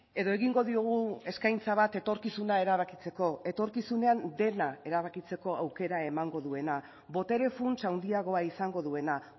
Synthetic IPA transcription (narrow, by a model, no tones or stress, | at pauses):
e̞ðo̞e̞ɣiŋɡo̞ðioɣ̞ue̞skajnt͡saβ̞at̪e̞t̪o̞ɾkisunae̞ɾaβ̞akit͡se̞ko̞e̞t̪o̞ɾkisune̞and̪e̞nae̞ɾaβakit͡se̞ko̞awke̞ɾae̞maŋɡo̞ðue̞na | βo̞t̪e̞ɾe̞funsawnd̪iaɣ̞o̞aisaŋɡo̞ðue̞na